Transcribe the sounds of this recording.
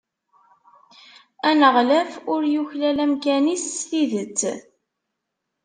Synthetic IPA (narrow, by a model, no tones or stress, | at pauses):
ænəʁlæfʊɾjuçlælæmkænisːθiðət͡sː